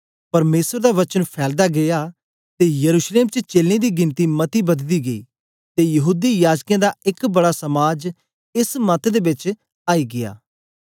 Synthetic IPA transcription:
pɐɾmeːsəɾd̪aːʋət͡ʃənpʰɛːld̪aːɡɪjaː | t̪eːjəɾuːʃleːmt͡ʃət͡ʃeːlẽd̪iːɡɪ̃nt̪iːmɐt̪iːbɐd̪d̪iːɡɐḭː | t̪eːjɐɦuːd̪iːjaːd͡ʒkãːd̪aːɪkbɐɽaːsɐmaːd͡ʒ | ɪsmət̪ʰd̪eːbɪt͡ʃ | aːiːɡɪja̰ː

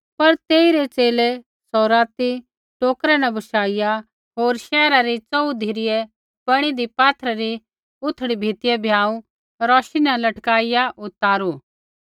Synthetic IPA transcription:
pɐɾt̪eːiɾet͡seːle | sɔːɾaːt̪i | ʈoːkɾɛnɐ̃bʱɐʃaːɪja | ɦoːɾʃɛːɾaɾit͡sɐud̪ʱiɾɪjɛ | pɐɽ̃id̪ipaːt̪ʰɾaɾi | ʊt̪ʰːɽibʱit̪ɪjɛbʱjaːũ | ɾɔːʃinɛlɐʈkaːɪjaʔʊt̪ːaːɾuː

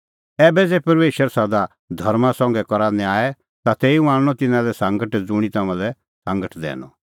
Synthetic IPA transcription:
ɛːbɛd͡zɛːpɐɾmeːʃəɾsad̪a | d̪ʱɐɾmãsɔ̃ŋɡɛkɔɾãːnɛaːɛ | t̪at̪eːiũãːɽñɔt̪ɪnãlɛsãŋɡəʈd͡zʊɽ̃it̪ɐmãlɛ | sãŋɡəʈd̪ɛ̰ːnɔ̰

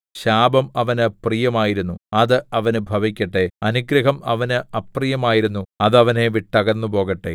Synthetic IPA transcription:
ɕaːbɐmɐʋɐnɨprijɐmaːjiɾunːuɐðɨɐʋɐnɨbʱɐʋikʲːɐʈːe̞ɐnuɡɾɐɦɐmɐʋɐnɨɐprijɐmaːjiɾunːuɐðɐʋɐne̞ʋiʈːɐɣɐnːupo̞ːɣɐʈːḛ

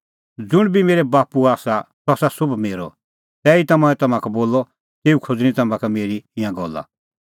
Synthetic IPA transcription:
d͡zʊɽ̃bimeːɾɛbaːpuaːsasɔsasʊbmeːɾɔ | t̪ɛːit̪ɐmɔ̃ɛ̃t̪ɐmãkɛboːlːɔ | t̪eːukʰod͡zñĩt̪ɐmãkɛmeːɾiɪ̃jãɡɔlːa̰

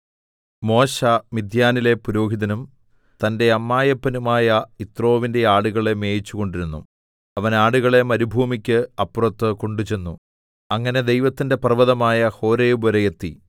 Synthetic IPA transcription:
mo̞ːɕɐmid̪ʱjaːnile̞puɾo̞ːɦiðɐnum | t̪ɐnde̞ɐmːaːjɐpːɐnumaːjɐit̪ro̞ːʋinde̞aːɽuɣɐɭe̞me̞ːjit͡ɕːuɣo̞ɳɖiɾunːṵ | ɐʋɐnaːɽuɣɐɭe̞mɐɾubʱuːmikʲːɨɐpːrɐt̪ːɨko̞ɳɖut͡ɕe̞nːu | ɐŋːɐne̞d̪e̞jʋɐt̪ːinde̞prɐʋɐðɐmaːjɐho̞ːɾeːbɐɾɐjet̪ːi

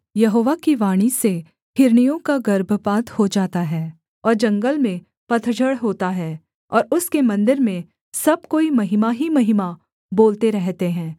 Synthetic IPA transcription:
jɐɦoːʋakiʋaːɽ̃ise | hɪɾɳijõkaɡɐɾbʱpaːt̪hod͡ʒaːt̪aɦɛː | ɔːɾd͡ʒɐ̃ŋɡəlmẽ | pɐt̪ʰd͡ʒəɽɦoːt̪aɦɛː | ɔːɾʊskemɐ̃nd̪ɪɾmẽ | sɐb̚koːimɐɦɪmaɦimɐɦɪma | boːlt̪eɾɛɦt̪eɦɛ̃ː

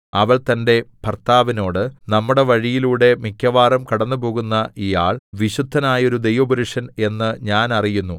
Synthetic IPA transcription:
ɐʋɐɭt̪ɐnde̞pɐrt̪aːʋino̞ːɽɨnɐmːuɽe̞ʋɐɻijiluːɽe̞mikʰːjɐʋaːɾɐmkɐɽɐnːɨpo̞ːɣunːɐʔijaːɭʋiɕud̪ʱːɐnaːjo̞ɾud̪e̞jʋɐbɐɾuʂɐne̞nːɨɲaːnɐrijunːu

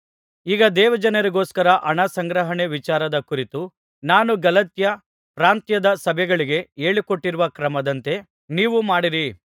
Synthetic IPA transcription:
iːɡɐd̪ɛːʋɐd͡ʒɐnɐɾiɡo̞ːskɐɾɐʔɐɳɐsɐŋɡɾɐɦɐɳe̞ʋit͡ʃaːɾɐd̪ɐkuɾit̪u | naːnuɡɐlɐt̪jɐ | pɾaːnt̪jɐd̪ɐsɐbʱɛɡɐɭiɡe̞e̞ːɭikoʈːiɾuʋɐkɾɐmɐd̪ɐnt̪e̞ | niːʋumaːɽiɾi

